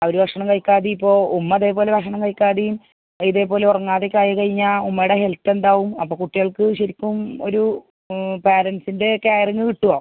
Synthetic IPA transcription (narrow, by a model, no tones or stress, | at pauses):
ɐoɾubɐkʂɐɳɐmkɐɻkʲːaːðiipːo̞ːumːɐðeːpo̞ːle̞bɐkʂɐɳɐmkɐɻkʲːaːðijum | iðe̞ːpo̞ːle̞urɐŋːaːðekʲːaːjɐkɐɻiɲːaːumːɐjuɽeɦelt̪ːe̞nd̪aːʋumɐ̰pːoːkuʈːiɣɐɭkɨɕɐɾikʲːumo̞̰ɾu | peːɾɐnsinde̞kaːjɐrɐŋːikiʈːuɣɐː